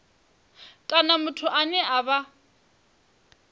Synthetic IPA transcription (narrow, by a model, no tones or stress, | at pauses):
kʼanamʊtʰʊʔanɛʔaβa